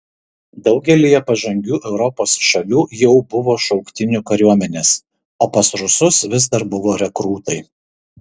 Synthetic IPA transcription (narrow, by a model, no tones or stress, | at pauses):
d̪ɒʊɡʲɛlʲijɛpɐʒɐŋʲɡʲuːʔɛʊɾɔpoːsʃɐlʲuːjɛʊbʊʋoːʃɒʊkt̪ʲɪnʲuːˑkɐɾʲuɔmʲɛnʲeːs | oːpɐsɾʊsʊsʋʲɪzd̪ɐɾbʊʋoːɾʲɛkɾuːt̪ɐɪ